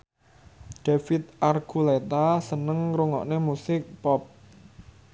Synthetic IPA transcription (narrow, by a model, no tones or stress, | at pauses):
d̥afɪt̪̚arɡ̥ulet̪asənəŋɾuŋɔ̰ʔnemusɪk̚pɔp̚